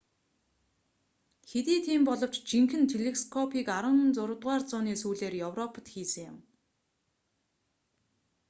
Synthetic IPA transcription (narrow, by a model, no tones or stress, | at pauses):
xet̪iːt̪ʰiːmpɔɮɞ̆w̥t͡ɕt͡ɕiŋxɘ̆nt̪ʰeɮeskʰɔpʰiːkaɾə̆nt͡sʊɾə̆t̪ʁaːrt͡sʊːniːsuːɮeːrjɵwrɔpʰə̆t̪xiːsɘ̆ŋjʊ̆m